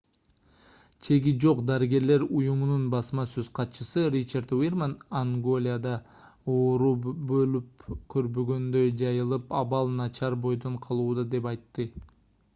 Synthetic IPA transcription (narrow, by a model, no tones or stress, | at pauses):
t͡ʃʰe̞ɡid͡ʒo̞qd̪ɑɾiɡe̞ɾle̞ɾujumununbɑsmɑsøz̥qʰɑt̪t͡ʃɯsɯrit͡ʃaɾd̪wirmanaŋɡo̞lʲɪjad̪ɑ | oːɾubø̞lyp̚kʰø̞ɾbøɡø̞nd̪ø̞jd͡ʒɑjɯlˠɯpɑβɑlˠnɑt͡ʃʰɑɾbo̞jd̪o̞ɴqʰɑlˠuːd̪ɑd̪e̞pɑjt̪ːɯ